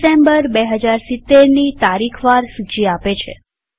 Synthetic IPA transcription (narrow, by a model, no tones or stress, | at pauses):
sembəɾbeɦəd͡ʒaɾsɪt̪ːeɾnit̪aɾikʰʋaɾsut͡ʃiapet͡ʃʰḛ